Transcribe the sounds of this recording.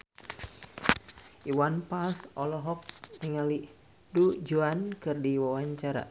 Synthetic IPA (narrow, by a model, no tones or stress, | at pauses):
ʔiwanpalsɔlɔɦɔk̚niŋali | dud͡ʒuankɨrdiwawaɲt͡ʃaɾa̰